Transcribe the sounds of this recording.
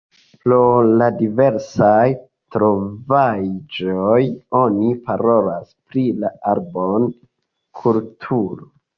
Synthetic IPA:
pɾoladive̞ɾsaj | tɾo̞vad͡ʒojo̞nipaɾo̞laspɾilaaɾbon | kʰultʰuɾo

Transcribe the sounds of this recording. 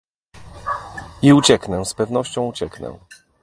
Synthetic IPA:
iut͡ɕɛknɛ̃spɛvnɔɕt͡ɕɔ̃w̃ut͡ɕɛknɛ̰

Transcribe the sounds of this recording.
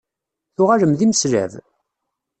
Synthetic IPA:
θʊʁaɾəmðiməsɾæ̰v

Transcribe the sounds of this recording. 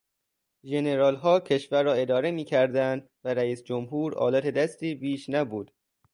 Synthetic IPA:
ʒe̞ne̞ɾɒːlɦɒːcʰe̞ʃvæɾːɒːe̞d̪ɒːɾe̞miːcʰæɾd̪ænd̪ | væɾæiːsd͡ʒomɦuːɾɒ̰ːlæt̪ʰe̞d̪æst̪iːbiːʃnæbuːd̪̥

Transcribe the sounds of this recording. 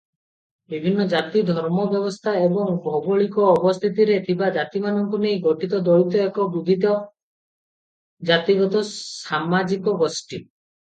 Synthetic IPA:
bibʱinːɔd͡ʒat̪id̪ʱɔɾmɔbjɔβɔst̪ʰaebɔŋbʱɔbɔɭikɔːbɔst̪ʰit̪iɾet̪ʰibad͡ʒat̪imanɔŋkunejɡɔʈit̪ɔd̪ɔɭit̪ɔekɔbud̪ʱit̪ɔ | d͡ʒat̪iɡɔt̪ɔsamad͡ʒikɔbɔsʈi

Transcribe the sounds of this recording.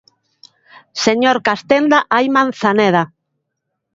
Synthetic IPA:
seɲoɾkast̪end̪aʔajmãn̟θaneða

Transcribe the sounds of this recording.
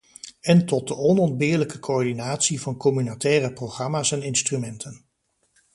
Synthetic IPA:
ɛntɔt̚dəɔnɔndbɪːɹləkəkʰoɔɹdinaːtsivɑnkɔmynatɛːrəproχrɑmaːsɛnɪnstrymɛntʰən

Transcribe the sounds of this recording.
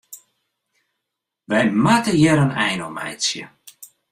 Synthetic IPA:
ʋɛjmatəjɛɾənɛjnɔmɛ̰jsjə̰

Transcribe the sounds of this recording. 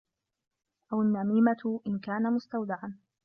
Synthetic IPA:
ʔawanːamiːmat̪ʔɪnkaːnamʊst̪awd̪ɪʕan

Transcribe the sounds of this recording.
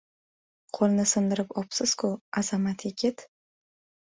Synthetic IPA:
qʰolˠnɪsɪmd̪ɪɾɪpɒpsɪz̥kʰʊaz̥amat̪ʰjeɡʲɪt̪

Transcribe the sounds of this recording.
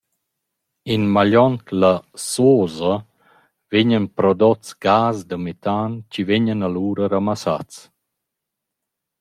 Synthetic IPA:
inmaʎɔnt̪lasoːzə | veɲənpɾɔd̪ɔt͡sɡaːzd̪əmɛt̪ant͡ɕiveɲənaluːɾəɾamasa̰t͡s

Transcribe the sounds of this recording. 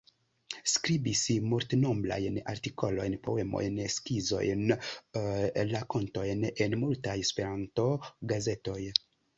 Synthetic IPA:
skɾibismultnombla̰jna̰ɾtiko̞lo̞̰jnpo̞we̞mo̞̰jnskizo̞̰jn | lako̞nto̞jnenmultajespe̞ɾanto̞ɡaze̞to̞j

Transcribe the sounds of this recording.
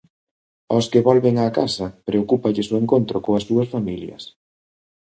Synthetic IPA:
ɔskɪβɔlβeŋaːkasɐpɾeokupɐʎɪsoeŋkont̪ɾokoɐsːuɐsfamiljɐ̰s

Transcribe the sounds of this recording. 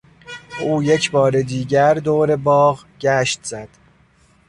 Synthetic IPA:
ʔuːje̞cʰbɒːɾed̪iːɟæɾd̪oːɾe̞bɒːɣɟæʃt̪z̥æd̪̥

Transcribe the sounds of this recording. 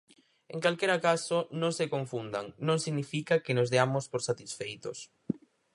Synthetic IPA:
eŋkalkeɾakasonõŋsekoɱfund̪a̰ŋnõŋsiɣnifikakenozðeamospoɾsat̪isfejt̪os

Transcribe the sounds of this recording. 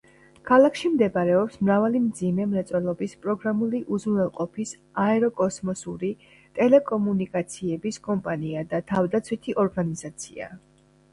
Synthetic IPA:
kʰalˠakʰʃimd̪ɛbaɾɛɔpsmɾavalimd̪zimɛmɾɛt̪sʼwɛlˠɔbispʼɾɔɡɾamuliʔuzunvɛlˠqʼɔpʰis | aɛɾɔkʼɔsmɔsuɾi | t̪ʼɛlɛkʼɔmunikʼat̪sʰiɛbiskʼɔmpʼaniad̪at̪ʰavd̪at̪sʰwit̪ʰiʔɔɾɡanizat̪sʰia̰

